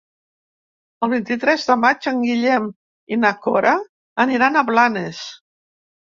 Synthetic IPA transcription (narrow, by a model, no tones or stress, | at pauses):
əlˠβ̞int̪it̪ɾɛzðəmat͡ʃəŋɡiʎɛm | inakɔɾʔa | əniɾanəβlanes